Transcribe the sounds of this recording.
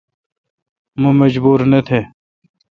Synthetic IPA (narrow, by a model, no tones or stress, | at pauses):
mũmɐd͡ʑbuːɾnet̪ʰeː